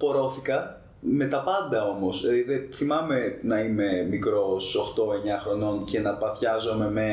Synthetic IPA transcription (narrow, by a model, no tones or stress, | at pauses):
po̞ɾo̞θikɐ | me̞t̪ɐpɐnd̪ɐo̞mo̞sðeθimɐme̞nɐime̞mikɾosoxt̪o̞e̞ɲɐxɾo̞no̞nce̞nɐpɐθçɐzo̞me̞me